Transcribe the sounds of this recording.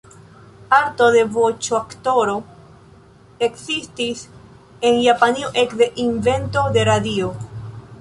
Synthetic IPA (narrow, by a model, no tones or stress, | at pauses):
aɾto̞de̞vot͡ʃoakto̞ɾo̞ | e̞kzistis | e̞njapanioʔe̞kde̞ʔinve̞nto̞de̞ɾadio